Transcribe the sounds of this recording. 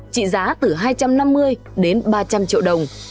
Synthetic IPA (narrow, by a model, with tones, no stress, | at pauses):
t͡ɕḭ˧˨zaː˨˦t̪ɨ˨˩ɦaː˧jt͡ɕa˧mna˧mːɨ˧əj | ɗe˨˦nɓaː˧t͡ɕa˧mt͡ɕḭ˧˨əwɗə˨˩wŋ͡m